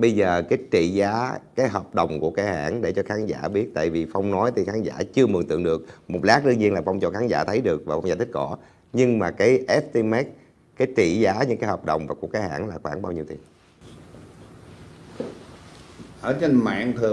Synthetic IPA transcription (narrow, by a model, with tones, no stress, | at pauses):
ɓə˧jzəː˨˩kaː˨˦jt͡ɕḭ˧˨zaː˨˦kaː˨˦jɦɔː˨˩p̚ɗə˨˩wŋ͡mku˧˩əkaː˨˧˦jha̰ː˧˥˨nɗe˧˩t͡ɕɔ˧xaː˨˦nza̰ː˧˩ɓi˦˥ət̚t̪a̰ː˧˨jvi˨˩fa˧wŋ͡mnɔ˨˦jt̪ʰi˨˩xaː˨˦nza̰ː˧˩t͡ɕɨ˧əmɨ˨˩t̪ɨ̰˧˨əŋɗɨ˨˩ək̚mo˨˩t̚laː˦˥k̚ɗɨ˧ɲi˧ənlaː˨˩fa˧wŋ͡mt͡ɕɔ̰˧˨˩xaː˨˦nza̰ː˧˩t̪ʰə˨˦jɗɨ˨˩ək̚vaː˨˩fa˧wzaː˧˩t̪ʰk̚ːɔ˧˩ | ɲɨ˧ŋmaː˨˩kaː˨˦jʔɛ˦˥p̚t̪i˧mɛ˦˥t̚ | kaː˨˦jt͡ɕḭ˧˨zaː˨˦ɲɨ˧ŋkaː˨˦jhɔː˨˩p̚ɗə̰˨˩wŋ͡mvaː˨˩ku˧˩kaː˨˦jha̰ː˧˥˨nlaː˨˩xwaː˧˩nɓaː˧wɲi˧wt̪i˨˩əŋ | ʔəː˧˩t͡ɕe˧nma̰ː˧˨ŋt̪ʰɨ˨˩